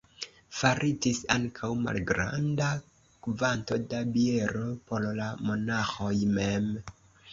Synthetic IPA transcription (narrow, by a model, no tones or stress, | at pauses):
faɾʔid͡ʒisaŋkʰawma̰lɡɾa̰nda | kvanto̞dabie̞ɾo̞po̞llamonaxo̞jmem